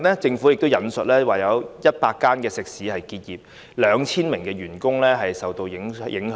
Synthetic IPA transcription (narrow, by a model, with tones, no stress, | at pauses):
nlɛː˥t͡sɪ˧ŋfu˨˥jɪ˨k̚t̪o˥wjɐ˨nsɵ˨t̚lɛː˥waː˨˩jɐ˨˧wjɐ˥t̚paː˧kːaː˥nkɛː˧sɪ˨k̚siː˨˥hɐ˨jkiː˧t̚jiː˨p̚ | lœː˨˧ŋt͡sʰiː˥nmɪ˨˩ŋkɛː˧ɥyː˨˩nkʊ˥ŋlɛː˥ɦɐ˨jsɐ˨wt̪o˧wjɪ˨˥ŋjɪ˨˥ŋh